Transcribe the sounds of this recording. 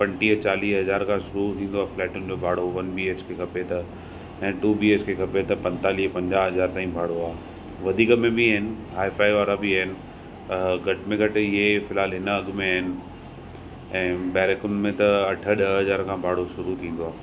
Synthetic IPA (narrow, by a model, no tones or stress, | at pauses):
pɐ̃ɳʈiːɦt͡ɕaːliːɦɐzaːɾkʰãːʃʊɾut̪ʰĩːnd̪oaːflɛːʈʊnɪ̆d͡ʑoːbʱaːɽoʋɐnbiːeːt͡ɕkʰekʰɐpet̪ɐ | ɛ̃ːʈuːbiːeːt͡ɕkʰekʰɐpet̪ɐpɐ̃ɲt̪aːliːɦpɐ̃ɲd͡ʑaːɦɐzaːɾt̪aːĩbʱaːɽoaː | ʋɐd̪ʱiːkmẽbiaɪnɪ̆ɦaːɪfaːiʋaːɾabiaɦɪnɪ̆ | ɡʱɐʈɪmẽɡʱɐʈ̆ɪɦefɪlɦaːlɦɪnəɐɠmẽaːɦɪnɪ̆ | ɛ̃ːbɛːɾekʊnmẽt̪ɐɐʈʰə̆ɗɐɦɐzaːɾkʰãːbʱaːɽoʃʊɾut̪ʰĩːn̆d̪oaːɦ